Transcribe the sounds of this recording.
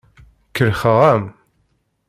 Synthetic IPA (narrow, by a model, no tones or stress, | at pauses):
kːəɾχəʁæm